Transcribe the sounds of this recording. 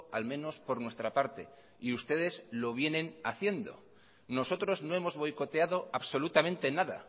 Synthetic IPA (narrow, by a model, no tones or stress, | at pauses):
almẽ̞no̞spo̞ɾnwe̞st̪ɾapaɾt̪e̞ | iust̪e̞ð̞e̞zlo̞β̞je̞nẽ̞naθje̞nd̪o̞̰ | no̞so̞t̪ɾo̞zno̞emo̞zβo̞jko̞t̪e̞aðo̞aβso̞lut̪amẽ̞nt̪e̞naða̰